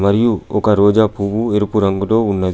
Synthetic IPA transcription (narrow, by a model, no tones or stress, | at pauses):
mɐɾijuɔkɐɾoːd͡ʒaːpuʋueɾupuɾɐŋɡulo̞ːunːɐd̪